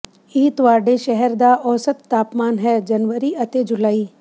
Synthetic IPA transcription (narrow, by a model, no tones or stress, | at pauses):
iːt̪ʋaːɾɖeʃɛɦɛɾd̪aʔɔːsət̪ːaːpmaːnɦɛːd͡ʒɐnʋəɾiʔɐt̪ed͡ʒʊlaːiː